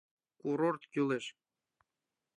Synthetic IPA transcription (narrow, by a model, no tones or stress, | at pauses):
kuɾort̪kʲyleʃ